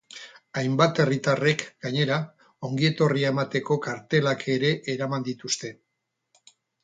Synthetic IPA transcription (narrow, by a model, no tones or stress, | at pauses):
ajmbat̪e̞rit̪are̞kɡaɲe̞ɾa | o̞ŋɡie̞t̪o̞riae̞mat̪e̞ko̞kaɾt̪e̞lakʰeɾe̞ʔːɾamand̪it̪ust̪e̞